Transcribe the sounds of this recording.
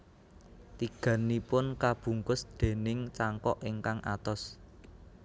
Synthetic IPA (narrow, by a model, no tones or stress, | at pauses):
t̪iɡ̥ä̤nipʊnkab̥ṳŋkʊsd̪̥e̤nɪŋt͡ʃaŋkɔʔeŋkaŋʔa̰t̪ɔs